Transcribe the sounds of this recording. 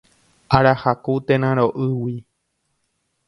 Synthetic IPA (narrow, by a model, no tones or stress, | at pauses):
ʔaɾahakut̪ẽnãɾoʔɨwi